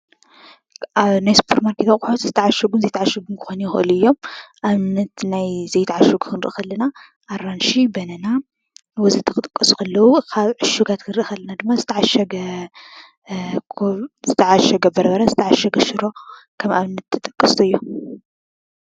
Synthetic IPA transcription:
ʔanajsu̥pʰɐɾt̪maɾkʰet̪ʰakʼħot̪zɨt̪ʰɐʕaʃɐɡunzɐjt̪aʕaʃɐɡunkʰɨ̥xonijxɨ̰ʔɨ̰luɨjːo̞mʔaβnːɐt̪najzɐjt̪ʰaʕaʃɐɡukʰɨnɾɨ̰ʔxɐlːɐna | ʔːɾanʃibɐnɐna | wozit̪ʰːɐkʼɨt̪ʼɐ̥kʼːɐsu̥kʰɐlːɐwukʰaβʕɨʃuɡat̪kʰɨnɾɨʔɨxɐlːɐnad̪ɨmːazɨt̪ʰɐʕaʃɐɡɐ | zɨt̪ʰɐʕaʃɐɡɐbɐɾɐβɐɾɐzɨt̪ʰɐʕaʃɐɡɐʃɨɾo̞kʰɐma̰βnːɐt̪ʰːɨt̪ʼɐkʼːɐst̪ʰoɨjːo

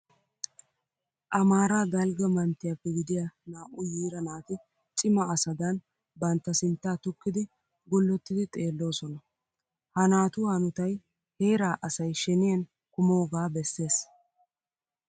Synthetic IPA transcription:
ʔɐmaːɾaːɡ̪ɐlɡɐmɐnt̪ːɪjɐpːɛɡɪd̪ɪjanaːʔʊjiːɾɐnaːt̪ɪ | t͡sʼɪmɐːsɐd̪ɐn | bɐnt̪ːɐsɪnt̪ːaːt̪ʊkːɪd̪ɪ | ɡɔlːɔt̪ːɪd̪ɪt̪ʼe̞ːlːo̞ːsɔnɐ | hɐnaːt̪ʊhɐnʊt̪ɐj | he̞ːɾaːʔɐsɐjʃɛnɪjɐn | kʊmo̞ːɡaːbɛsːe̞ːs

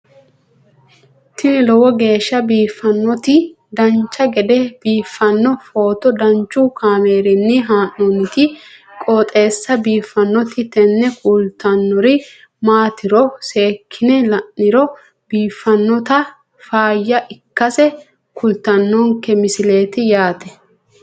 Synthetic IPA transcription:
t̪ɪnɪlɔwɔɡe̞ːʃːɐbiːfːɐnːɔt̪ɪ | d̪ɐnt͡ʃːɐɡɛd̪ɛb̥iːfːɐnːɔfoːt̪ɔd̪ɐnt͡ʃːʊkʰaːmeːɾɪnːɪɦaːnːɔnɪt̪ɪ | kʼoːt̪ʼe̞ːsːɐbiːfːɐnːɔt̪ɪt̪ɛnːɛkʼʊlt̪ɐnːɔɾɪ | maːt̪ɪɾɔseːkʰːɪnɛlɐnːɪɾɔ | b̥iːfːɐnːɔt̪ɐ | faːjːɐʔɪkːɐsɛ | kʰʊlt̪ɐnːɔŋkːɛmɪsɪle̞ːt̪ɪjaːt̪ɛ

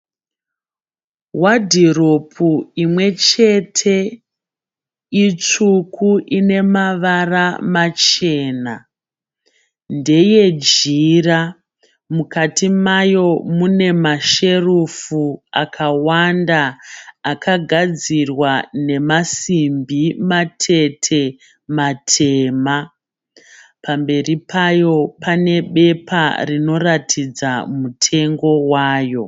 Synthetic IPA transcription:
wadʱiropʰuimwe̞t͡ʃe̞tʰe̞ | it͡ʂukʰuʔine̞maʋaramat͡ʃe̞ːna | nde̞je̞d͡ʒira | mukatimajo̞mune̞maʃe̞rufua̰kʰawandaː | kʰaɡʱad͡zirwane̞masimbimatʰe̞tʰe̞ | matʰe̞ːma | pambe̞ripʰajo̞pʰane̞ɓe̞pʰa̰rino̞ratʰid͡zamutʰe̞ŋɡo̞waːjo̞

